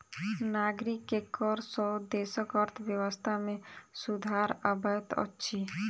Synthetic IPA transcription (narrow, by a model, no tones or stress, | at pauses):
naɡɾikːekːɔɾsɔd̪esəkɔɾt̪ʰbjəwəst̪ʰamẽsud̪ʱaɾəbʱat̪ɔ̰tːʃʰi